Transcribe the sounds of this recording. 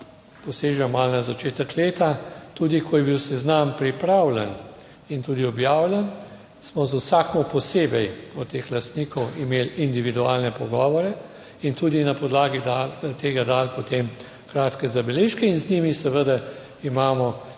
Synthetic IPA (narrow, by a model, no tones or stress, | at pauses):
pɔseːʒamalnazat͡ʃeːt̪əkleːt̪at̪ud̪ikʰɔjɛbiwsɛznampɾipɾaːwlɛn | int̪uːd̪iɔbjaːwlʲɛn | smɔzusakmɔpɔseːbɛjɔt̪eːxlast̪niːkɔwimelind̪iʋid̪uaːlnɛpɔɡɔːʋɔɾɛ | int̪uːd̪inapɔd̪laːɡid̪alt̪eːɡad̪alpɔt̪em | kɾaːt̪kɛzabɛleːʃkɛinznimisɛʋəd̪a | imaːmɔ